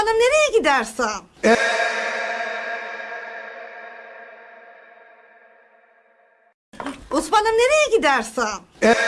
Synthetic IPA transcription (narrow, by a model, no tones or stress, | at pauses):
lˠɯmneɾɛjɛɟid̪æɾsaɛ | usbalˠɯmneɾɛjɛɟid̪æɾsa | ɛ